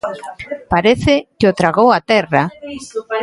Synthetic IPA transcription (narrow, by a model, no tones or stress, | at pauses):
paɾeθɪkɪot̪ɾaɣowat̪ɛra